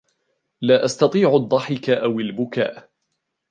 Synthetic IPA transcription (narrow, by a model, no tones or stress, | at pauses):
laːʔast̪ɑt̪ˤiːʕʊd̪ˤːɑħɪkaʔawalbʊka̰ːʔ